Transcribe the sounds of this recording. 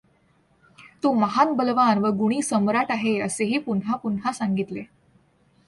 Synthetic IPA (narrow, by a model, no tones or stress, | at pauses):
t̪oməɦanbəlʋanʋəɡuɽ̃iːsəmɾaʈaɦeəseɦiːpunɦapunɦasaŋɡit̪le